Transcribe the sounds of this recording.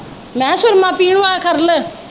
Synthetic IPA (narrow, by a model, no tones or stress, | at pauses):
mɛ̃ːsʊɾmãːpiːɳ̃ʋaːkʰəɾlə